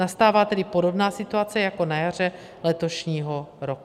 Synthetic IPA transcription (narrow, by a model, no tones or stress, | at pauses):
ast̪aːvaːt̪ɛdɪpodo̞bnaːsɪt̪uat͡sɛjako̞najar̝ɛ | lɛt̪o̞ʃɲiːɦo̞ɾoku